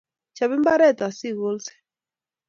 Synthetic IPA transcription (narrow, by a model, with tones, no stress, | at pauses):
t͡ʃa˨βi˦mba˦ɾɛ˦˨t̪a˨si˦˨ɣo˦lsɛ̥˨